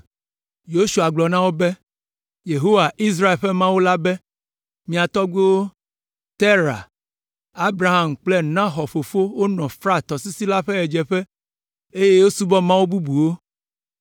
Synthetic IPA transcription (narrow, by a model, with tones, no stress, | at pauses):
jo˦ʃu˨a˨ɡ͡blɔ˨nã˦wo˦bɛ˦ | je˨ɦo˦wa˨ʔi˦s̬ɾa˦e˨lɸɛ˦mã˦wo˦la˦bɛ˦ | mĩ˨a˨t̪ɔ˦ɡo˦ | t̪e˦ɾa̰˨ | a˦bɾa˨ɦa˦˨mk͡plɛ˦nã˦xɔ˨ɸo˨fo˦wo˦nɔ̃˨fɾa˦t̪ɔ˨si˦si˦la˦ɸɛ˦ɛ˨d͡ʒɛ˨ɸɛ˦ | e˦je˦wo˦su˦bɔ˦mã˦wo˦bu˦bu˨wo˦